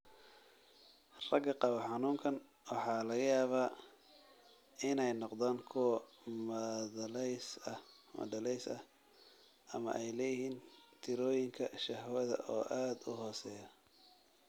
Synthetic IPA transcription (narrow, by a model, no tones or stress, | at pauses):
rɐɡɐqɑβɐħɑnuːŋkʰɐn | wɑħɑːlɐɣɐjaːβaː | ɪnɛjnɔqd̪aːŋkʰʊwɐ | mɐlsɐ | mɐ̰dɐlɛjsɐh | ʔɐmɐ̰ʔɛjlɛjɪhiːnt̪ʰɪɾɔːjɪŋkʰɐʃɐhwɐðɐ̰ʔɔːʔaːd̪ʊɦɔːsɛːjɐ